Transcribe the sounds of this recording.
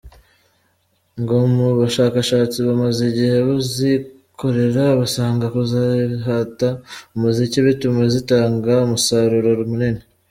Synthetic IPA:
ŋɡomuβaʃaːkaʃaːt͡siβamaziɟihe̞βuzi | kʰo̞ɾe̞ɾaβasaːŋɡakuzaɦataumuziciβitumezitaːŋɡaumusaɾuɾoɾumunine

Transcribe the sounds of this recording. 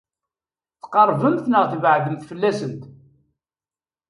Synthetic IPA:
θqɑɾˤvəmθnəʁθvʕɡəmθfəlːæsənt̪

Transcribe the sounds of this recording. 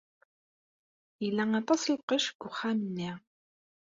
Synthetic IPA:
jəlːæŋɑt̪ˤɑsəlqəʃɡ̥ːʊχːamənːiʁ

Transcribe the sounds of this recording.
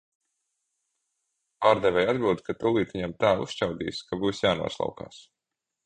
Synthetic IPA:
paːɾd̪ɛvʲɛjad̪bilˠd̪kat̪ulˠiːt̪iɲamt̪aːṵsʃt͡ʃawd̪ḭːskabuːsjaːnṵɔslˠɑ̰wka̰ːs

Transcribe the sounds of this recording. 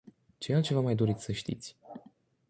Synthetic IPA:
t͡ʃealt͡ʃe̞vamajd̪o̞ɾit̪ʲsəʃt̪ḭt̪sʲ

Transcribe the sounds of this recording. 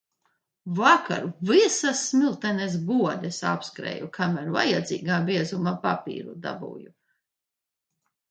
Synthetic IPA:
vaka̰ɾuvisasːmilˠt̪ɛnɛs̬ɡuɔd̪esa̰pskɾɛ̰ːjukʰamæɾva̰jad̪zḭːɡaːbiɛzumapapḭːɾṵd̪a̰bṵːju

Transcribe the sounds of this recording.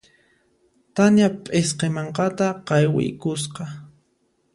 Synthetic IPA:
t̪anjapʼesqemɑɴqɑt̪aqɑjwɪ̰jkʊs̬qɑ

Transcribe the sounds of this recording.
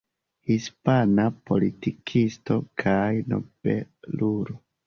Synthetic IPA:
hispanapo̞̰litikʰisto̞kʰajno̰b̥ḛluɾo

